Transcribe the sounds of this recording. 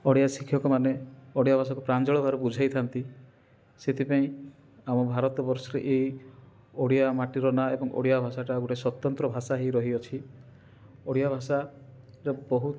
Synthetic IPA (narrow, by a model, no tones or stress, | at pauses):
ɔɽjasikʰjɔkɔmaneɔɽijabʱas̬akupɾand͡ʒɔɭɔbʱaɾɔbud͡ʒʱajt̪ʰant̪i | set̪ʰipaĩ | amɔbʱaɾɔt̪ɔbɔɾsɔɾeʔeɦi | oɽijamaʈiɾɔnaebɔŋʔo̰ɽijabʱasaʈaɡoʈeswɔt̪ɔnt̪ɾɔbʱasaɦiɾɔɦiɔt͡ʃʰi | oɽijabʱasa | ɾebɔɦut̪